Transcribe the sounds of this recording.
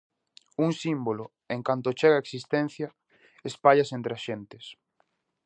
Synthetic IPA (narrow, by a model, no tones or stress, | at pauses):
uŋsimbolo | eŋkant̪ot͡ʃeɣaeksist̪en̟θjɐ | espaʎasent̪ɾeasʃent̪ɪs